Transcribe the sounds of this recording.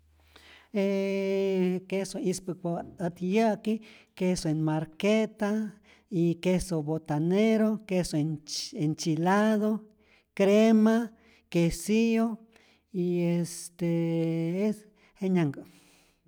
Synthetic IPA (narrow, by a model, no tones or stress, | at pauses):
e | kesoispɨkaat̪jakikesoenmaɾket̪a | ikesobot̪aneɾokesoeent͡ʃilaðo | kɾema | kesio | iest̪ees | heɲaŋɡa